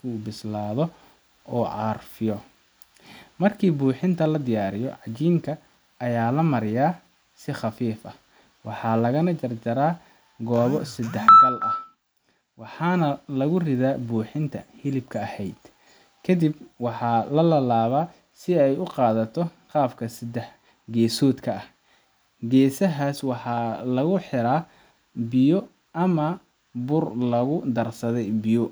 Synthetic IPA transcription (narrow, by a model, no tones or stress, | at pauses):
kʰuːbɪslaːðɔ | ʔɔːʕɑːrfɪjɔ | mɐrkʰiːbuːħɪnt̪ʰɐlɐd̪ɪjaːɾɪjɔ̰ʕɑt͡ʃiːŋkʰɐ | ʔɐjaːlɐmɐɾɪjaː | sɪχɑfiːfɐ | wɑħɑːlɐɣɐnɐt͡ʃɐrt͡ʃɐɾaː | ɡɔːβɔsɐd̪ɛħɡɐlʔɐh | wɑħɑːnɐlɐɣʊrɪðaːbuːħɪnt̪ʰɐ̰hɪlɪbkʰɐɐhɛjd̪̥ | kʰɐd̪ibwɑħɑːlɐlɐlaːβaː | sɪɛjʊqɑːðɐt̪ʰɔ | qɑːbkʰɐsɐd̪ɛħ | ɡɛːsɔːd̪kʰɐɐh | ɡɛːsɐɦaːswɑħɑːlɐɣʊħɪɾaː | bɪjɔ | ʔɐmɐ | bʊrlɐɣʊd̪ɐrsɐðɛjbɪjɔ